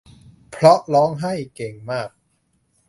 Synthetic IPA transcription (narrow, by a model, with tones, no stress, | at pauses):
pʰɾɔ˦˥ʔlɔː˦˥ŋɦa˥˩jke˨˩ŋmaː˥˩k̚